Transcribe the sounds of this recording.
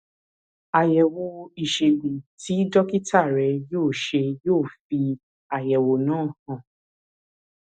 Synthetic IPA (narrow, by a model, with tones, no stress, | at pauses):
a˨jɛ˨wo˧i˨ʃe˨ɡ͡be˨ti˨˦dɔ˦ki˦tʰa˦˨ɾɛ˨˧joː˦˨ʃe˧joː˦˨fi˧ | a˨jɛ˨wo˨nãː˦˨hã˨